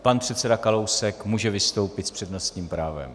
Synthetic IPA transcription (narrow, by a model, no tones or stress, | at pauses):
panpr̝̥ɛt̪sɛdakalowsɛkmuːʒɛvɪst̪o̞wpɪt̪spr̥ɛdno̞st̪ɲiːmpɾaːvɛ̰m